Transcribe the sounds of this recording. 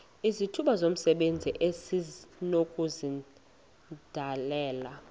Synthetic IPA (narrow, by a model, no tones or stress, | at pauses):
izitʰuɓazom̩sɛɓend͡zʱiʔesinokʼuzi | d̥ʱalɛːla